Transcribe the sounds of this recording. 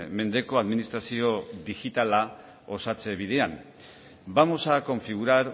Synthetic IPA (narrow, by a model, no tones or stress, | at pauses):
me̞nd̪e̞ko̞aðminist̪ɾasio̞ðixit̪ala | o̞sat͡se̞β̞iðe̞am | bamo̞sako̞ɱfiɣ̞uɾaɾ